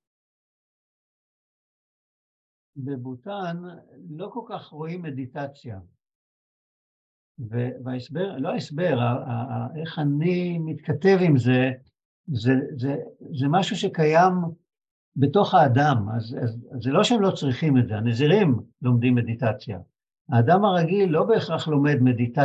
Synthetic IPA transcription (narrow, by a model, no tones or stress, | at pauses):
bebutanlo̞kolkaχʁo̞imːe̞ditat͡sja | veveaesbeʁloaesbe̞ʁaaeχanimit̪kate̞vimze̞ | zezezemaʃuʃekajam | be̞to̞χaːdamazazːelo̞ʃeemlot͡sʁiχime̞tzeaneziʁimlo̞md̪imːe̞d̪itat͡sja̰ | aːdamaʁaɡilːo̞be̞ːχʁaχlo̞me̞dme̞dit̪a